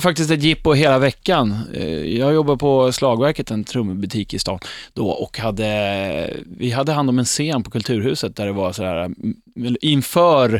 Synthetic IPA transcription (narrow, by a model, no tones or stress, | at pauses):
fak̚t̪ɪst̪ɛt̪jɪpːɔɦeːlavɛkːan̰jɑːɡjɔbːad̪pʰɔslɑːɡvæɾkət̪ɛnt̪ʰɾɵmːəbɵt̪ʰiːkɪst̪ɑ̰ːnd̪̥ɔ̰ʔɔ̰khad̪ːə | vɪɦad̪ːəɦand̪ɔmɛnseːnpʰɔkʰɵlt̪ʰʉ̟ːɾhʉ̟ːsət̪̚d̪æɖɛvaɾsɔd̪æ̰ːɾa̰ | ɛlɪnfœːɾ